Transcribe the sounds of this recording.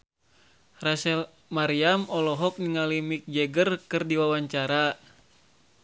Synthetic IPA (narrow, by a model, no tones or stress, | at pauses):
rasɛl | maɾiamɔlɔɦɔk̚niŋalimik̚d͡ʒɛɡərkɨrdiwawaɲt͡ʃaɾa